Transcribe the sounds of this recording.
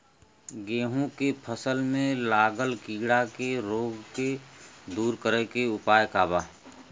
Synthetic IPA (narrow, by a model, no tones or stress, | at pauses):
ɡeːɦũkepʰəsəlmẽlaːɡəlkiːɡɽakeɾoːɡked̪uːɾkəɾekeʊpaːjkaːbaː